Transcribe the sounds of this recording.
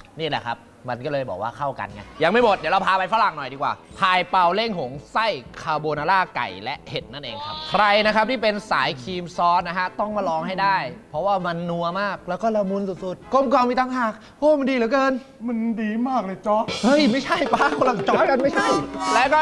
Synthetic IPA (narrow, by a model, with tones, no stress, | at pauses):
ni˥˩lɛ̰˨˩kʰa̰˦˥p̚ | ma˧nkɔː˥˩lɤː˧jbɔ̰ː˨˩k̚waː˥˩kʰa˥˩wka̰˧nŋa̰˧˩jja˨˧ŋma˥˩jmo˨˩t̪̚ni˨˩˦ɾa˧wpʰaː˨˧pa˧jfa˧la˨˩ŋnɔ˨˩jdiː˧kwaː˨˩ | pʰaː˧jpa˧wle˥˩ŋɦo˩˦ŋsa˥˩jkʰaː˧boː˧naː˧laː˥˩ka̰˨˩jlɛ˦˥ʔhe˨˩t̪̚na˥˩nʔḛː˧ŋkʰa˦˥p̚kʰɾa˧jna˦˥kʰa˦˥p̚t̪iː˥˩pe˧nsa̰ː˩˦jkʰiː˧msɔː˦˥t̪̚na˦˥kʰa˦˥t̪ɔ˥˩ŋmaː˧˩lɔː˧ŋɦa˥˩jdaː˥˩jpʰɔ˦˥waː˥˩ma˧nːu˧ɐmaː˥˩k̚lɛː˦˥wkɔː˥˩ɾa˧wmu˧nsu˨˩t̪̚su˨˩t̪̚ko˧˩mkwaː˧ŋmi˧t̪ʰaː˧ŋɦaː˨˩k̚ | ʔoː˧˥˩ma˧ndiː˧lɯː˨˦kɤː˧n | ma˧ndiː˧maː˥˩k̚lɤː˧jt͡ɕɔ˦˥hɤ˦˧˥jma˥˩jt͡ɕʰa˥˩jpaː˧˩kʰo˧˥la˨˩ŋt͡ɕɔː˧˦˥t̚ka˧nma˥˩jt͡ɕʰa˥˩jlɛ˦˥wkɔː˥˩